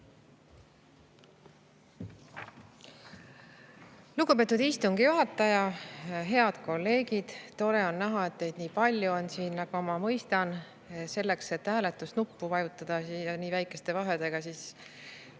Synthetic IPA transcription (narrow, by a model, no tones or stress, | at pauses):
luɡupe̞t̪ːˑud̪̥ist̪uŋɡ̥ijuɦɑt̪ːˑɑjɑɦe̞ɑd̪̥ko̞lːe̞ːɡid̪̥t̪o̞ɾe̞o̞nːæɦɑe̞t̪ːe̞jd̪niːpɑlʲjuo̞nsiːnːnɑɡ̥umɑmɤjst̪ɑn | se̞lːe̞kse̞t̪ːhæːle̞t̪ːˑusnupːuvɑjut̪ːˑɑd̪̥ɑiɑniːvæjkːˑe̞st̪e̞vɑɦe̞d̪̥e̞ɡ̥ɑsiːs